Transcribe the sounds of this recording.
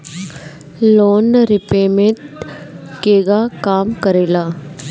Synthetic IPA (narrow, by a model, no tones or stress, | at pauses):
loːnɾɪpeːmẽt̪ | keːɡakaːmkəɾeːlaː